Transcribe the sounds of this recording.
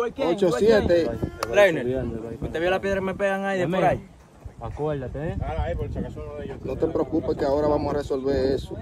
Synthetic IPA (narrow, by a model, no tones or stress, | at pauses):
kot͡ʃosjet̪eɾenenkut̪eβjelapeðɾakmepeɣaŋajðemeɾaj | akoaʎat̪epot͡ʃakasunðejnõt̪epɾeokupekeaoɾaβamosaresolβeɾeso